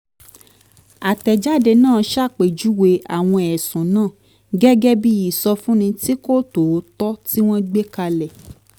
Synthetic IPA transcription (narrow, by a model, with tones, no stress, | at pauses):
a˨tɛ˨d͡ʒa˦˨de˧nãː˦˨ʃa˦˨k͡pe˨d͡ʒu˨˦we˧˦a̰˨w̃ɔ̃˧ɛ˨sũ˨nãː˦˨ | ɡɛ˦ɡɛ˦bi˦ji˦˨sɔ˧fũ˦nĩ˧ti˦ko˦to˨˦tɔ˦ti˦w̃ɔ̃˦ɡ͡be˦ka˧lɛ˨